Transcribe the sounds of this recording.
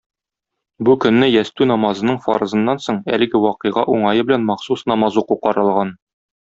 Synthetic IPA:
bukɵ̆nːɘjæst̪ʉnɒmɑzɤ̆nɤɴfɑ̰ɾɤ̆zɤ̆nːɑnsoɴæ̰lɘ̆ɡɘwɒqɤ̆jʁɑʔuɴɑjɤbɘ̆lænmɑχsusnɒmɑzuquqɒɾɤ̆lˠʁɑn

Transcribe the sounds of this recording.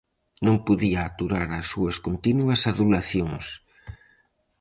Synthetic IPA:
nõŋpuðiaːt̪uɾaɾasːuɐskont̪inuɐsaðulaθjoŋs

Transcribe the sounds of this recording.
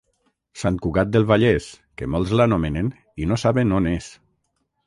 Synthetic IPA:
sankuɣat̪̚d̪elˠβaʎes | kemɔlˠzlanomenen | inosaβenones

